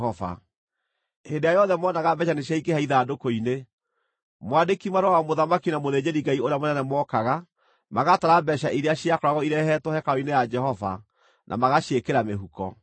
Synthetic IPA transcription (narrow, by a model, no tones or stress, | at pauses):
ɔva̰ | endejajɔðɛmɔːnaɣabɛɕaneɕjaikehaiðaːdokoine | mwadekimaɾowawamoðamakinamoðed͡ʑeɾiŋɡaioɾejamonɛnɛmwɔkaɣa | maɣataɾabɛɕaʔiɾeaɕiakɔɾaɣɔiɾɛhɛtohɛkaoinejad͡ʒɛhɔva̰ | nʔa̰maɣaɕekeɾameɦukɔ̰